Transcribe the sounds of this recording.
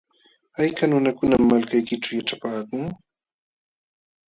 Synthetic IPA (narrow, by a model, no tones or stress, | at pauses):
ajkanʊnakʊnamːalkajkɪʈ͡ʂawjaʈ͡ʂapaːkʊŋ